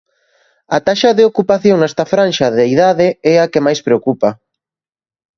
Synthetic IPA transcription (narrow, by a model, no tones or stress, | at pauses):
at̪aʃɐðeokupaθjoŋnɛst̪ɐfɾanʃɐðeiðaðɪɛakemajspɾeokupɐ